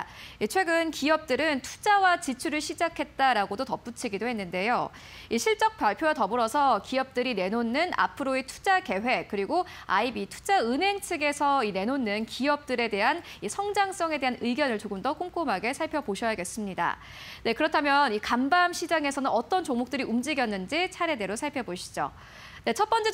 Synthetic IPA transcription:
it͡ɕʰwe̞ɡɯnkiʌp̚t͈ɯɾɯntʰu̥d͡ʑawat͡ɕit͡ɕʰuɾɯɭɕʰid͡ʑakʰe̞t̚t͈aɾaɡodotʌp͈ut͡ɕʰiɡidoɦenːɯnde̞jo | iɕʰiɭt͡ɕ͈ʌk̚p͈aɭpʰjoɡatʌbɯɾʌsʰʌkiʌp̚t͈ɯɾine̞nonːɯna̰pʰɯɾoetʰu̥d͡ʑake̞ɦwe̞k͈ːɯɾiɡo | a̰ibitʰu̥d͡ʑaɯnɦe̞ŋt͡ɕʰɯɡe̞sʰʌine̞nonːɯnkiʌp̚t͈ɯɾe̞de̞ɦanisʰʌŋd͡ʑaŋs͈ʌŋe̞de̞ɦanʔɯiɡjʌnɯɭt͡ɕoɡɯmtʌk͈oŋk͈omɦaɡe̞sʰaɭpʰjʌboɕʰʌjaɡe̞s͈ɯmɲida̰ | ne̞kɯɾʌtʰamjʌnikambamɕʰid͡ʑaŋe̞sʰʌnɯnʌt͈ʌnt͡ɕoŋmok̚t͈ɯɾiʔumd͡ʑiɡjʌnːɯnd͡ʑit͡ɕʰaɾe̞de̞ɾosʰaɭpʰjʌboɕʰi̥d͡ʑo̰ | ne̞t͡ɕʰʌt̚p͈ʌnt͡ɕ͈e

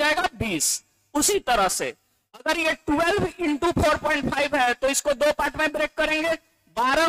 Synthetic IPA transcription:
aːeɡabiːs | ʊsit̪ɐɾəɦsḛ | ɐɡəɾjeʈʋɛlbɪ̃ɳʈupʰoːɾpɔ̃ːɪ̃ɳʈpʰaːɪʋɦɛt̪oɪskod̪oːpaːʈmẽbɾeːkːɐɾẽːŋɡeː | baːɾã

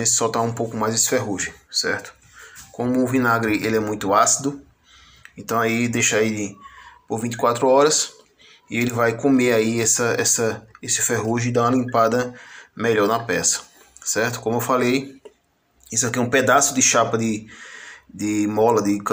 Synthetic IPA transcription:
ẽsɪ̥sɔwt̪aũpowkʊmajzesfeɦuʒesɛ̰ɾt̪ʊ̥ | kõmʊːvĩnaɡɾɪʔelɪɛmũj̃t̪ʊasid̪ʊ | ẽnt̪ɐ̃w̃aid̪ejʃaid̪ɪpoɾvĩnt̪ɪ̥kwat̪ɾʊɔɾɐs | ɪelɪvajkomeaiɛsɐɛsɐesɪfeɦuʒʊɪd̪ãɐlĩmpad̪ɐmeʎɔɾnɐpɛsɐ̥ | sɛɾt̪ʊ̥kõmʊewfalej | isʊakiɛũped̪asʊd̪ɪʃapɐd̪ɪ | d̪ɪmɔlɐd̪ɪk

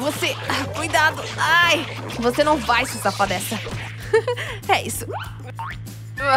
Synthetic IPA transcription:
vosekujd̪ad̪ʊaj | vosenɐ̃w̃vajsusafad̪ɛsɐ | ɛisʊ

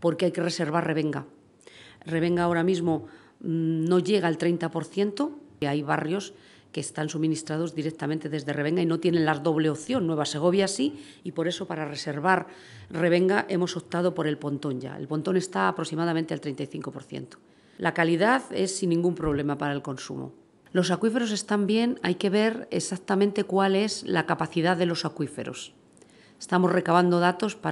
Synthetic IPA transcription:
po̞ɾkeajke̞re̞se̞ɾβaɾre̞β̞e̞ŋɡa | re̞β̞e̞ŋɡaːo̞ɾamizmo̞ | no̞ʝe̞ɣ̞aːlt̪ɾejnt̪apo̞ɾθje̞nt̪oajβarjo̞s | keːst̪ansumĩnist̪ɾað̞o̞zðiɾek̚t̪amẽnt̪e̞ðe̞zðe̞re̞βe̞ŋɡaino̞t̪je̞ne̞nlazðo̞βleopθjo̞nːweβase̞ɣ̞o̞βjasi | ipo̞ɾe̞so̞paɾare̞se̞ɾβaɾ | re̞β̞e̞ŋɡaʔe̞mo̞so̞p̚t̪að̞o̞po̞ɾe̞lpo̞nt̪o̞ɲɟ͡ʝa̰ḛlpo̞nt̪o̞ne̞st̪aapɾo̞ksimaðamẽnt̪ealt̪ɾent̪ajθḭŋko̞po̞ɾθjḛnt̪o̥ | lʔakaliðaθe̞sːinːĩŋɡumpɾo̞β̞le̞mapaɾae̞lko̞nsṵmo̰ | lo̞s̬akwife̞ɾo̞s̬e̞st̪ambje̞na̰jke̞βe̞ɾesakt̪amẽnt̪e̞kwale̞zlakapaθiðaðe̞lo̞sakwife̞̰ɾo̞̰s | est̪amo̞zre̞kaβ̞and̪o̞ð̞at̪o̞spa

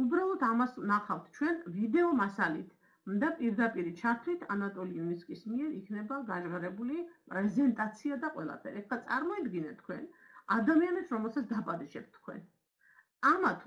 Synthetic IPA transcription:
ubɾalˠɔd̪ʰamasnaχaft̪ʰt͡ʃʰwɛnvid̪ɛɔmasalit̪ʰ | md̪apʼiɾd̪apʼiɾit͡ʃʰaɾt̪ʰlit̪ʰanat̪ʼɔliuniskʼismiɛɾikʰnɛbaɡaʒʁaɾɛbulipʼɾɛzɛnt̪ʼat̪sʰiad̪aqʼwɛ̰lˠa̰pʰɛɾiɛχlat̪sʼaɾmɔid̪ɡinɛt̪ʰːkʰwɛ̰nad̪amianɛpsɾɔmɛlˠsat̪sʰd̪apʼad̪iʃɛp̚t̪ʰːkʰwɛ̰n | amat̪ʰ

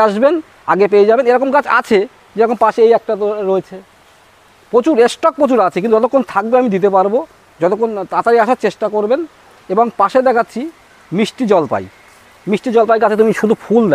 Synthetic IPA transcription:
aʃben | aɡep̬ejed͡ʑabeneɾɔkomkat͡ɕʰa̰t͡ɕʰe | d͡ʑeɾɔkompaʃeejɛk̚ʈaɾoet͡ɕʰe | pɾot͡ɕuɾeʃʈɔk̚pɾot͡ɕuɾat͡ɕʰekint̪ud͡ʒɔt̪okʰːont̪ʰak̚beamid̪it̪̬epaɾbo | d͡ʑɔt̪okʰːont̪at̪aɾiaʃaɾt͡ɕeʃʈakoɾben | eboŋpaʃed̪ɛkʰatːɕʰi | miʃʈid͡ʑɔlpa̰j | miʃʈid͡ʑɔlpajkat͡ɕʰet̪umiʃud̪ʱufʰuld̪

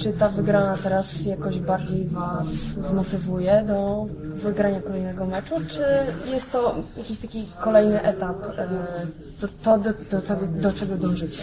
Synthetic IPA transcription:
t͡ʂɘt̪avɘɡɾanat̪ɛɾasjakɔʑbaɾd͡ʑejvaszmɔt̪ɘvujɛd̪ɔvɘɡɾaɲakɔlɛjnɛɡɔmɛt͡ʂut͡ʂɘjɛst̪ːɔjakʲiɕt̪akʲikɔlɛjnɘʔɛt̪ap | t̪ɔt̪ɔd̪ɔd̪ɔt͡ʂɛɡɔd̪ɔt͡ʂɛɡɔd̪ɔ̃w̃ʐɘt͡ɕɛ

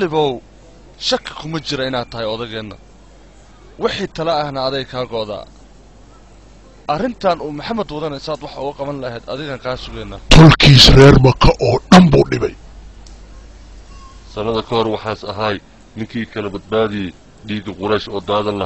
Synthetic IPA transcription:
lɪβɔw | ʃɐkʰːɪ̥kʰʊmɐt͡ʃɪɾɐɪnaːt̪ʰɐɦɛjɔðɐɣɛːnnɐ̰ | wɑħiːt̪ʰɐlɐɐhnɐːðɛjkʰaːɡɔða̰ː | ʔɐrɪnt̪ʰɐnuːmʊħɑmɐd̪wɐðɐnɛsaːd̪wɑħɑʊɣɐqɑβɐnlɐɦɛːd̪ɐ̰ðɪɣaːŋkʰaːsʊɣɛjna̰ːt̪ʰʊlkʰiːsrɛːrmɐkʰɐʔɔːɗɐmbuːɗɪβɛ̰j | sɐnɐðɐkʰɔɔɾwɑħɑːsɐɦaj | nɪŋkʰiːkʰɐlɐbɐd̪̚baːðɪjɛj | ɖiːɡɐqʊɾɛːʃɔːd̪aːðɐlːɐ

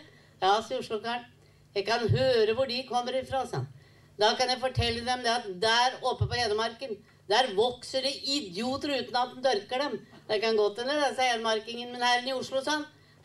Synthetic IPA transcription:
jɑːsiːʊʂɭʊkɑɳ | jæɪkɑnɦøːɾəʋʊɖɪkʰɔmːəɾɪnfɾɑsɑ̰n | d̪ɑkɑnjæɪfɔʈʰɛlːəd̪ɛmd̪ɛɑt̪d̪æːɾoːpːəpɔeːd̪əmɑɾkən | d̪æɾʋɔksəɖɛʔɪd̪ɪuːt̪əɾʉːt̪nɑt̪̚d̪ɛnd̪œɾkəɖɛmd̪ɛkɑnɡɔt̪ːɛnːəɖɛsɑeːd̪əmɑɾkɪŋənmɛnhæːɾənɪʊʂɭʊsɔn

